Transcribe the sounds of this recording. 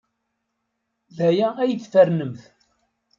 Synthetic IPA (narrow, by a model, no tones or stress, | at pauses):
ðæjææjəθfəɾnəmθ